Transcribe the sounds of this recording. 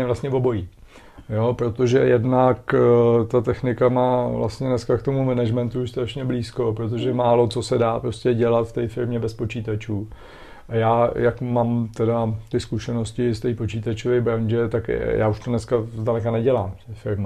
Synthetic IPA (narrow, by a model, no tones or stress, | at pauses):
ɛvlastɲɛvo̞bo̞jiː | jopɾo̞t̪o̞ʒɛjɛdnakt̪at̪ɛxnɪkamaːvla̰st̪ɲɛnɛskakt̪o̞mumɛnɛʒmɛnt̪uʃst̪ɾaʃɲɛbliːsko̞pɾo̞t̪̬oʒɛmaːlo̞t͡so̞sɛdaːpɾo̞scɛɟɛlat̪ft̪ɛjfɪɾmɲɛbɛspo̞t͡ʃiːt̪at͡ʃuː | ʔajaːjakmaːmt̪ɛdat̪ɪskuʃɛno̞scɪst̪ɛjpo̞t͡ʃiːt̪at͡ʃovɛjbɾaɲd͡ʒɛt̪akja̰ːuʃt̪onɛskazdalɛkanɛɟɛlaːmft̪ɛfɪɾmɪ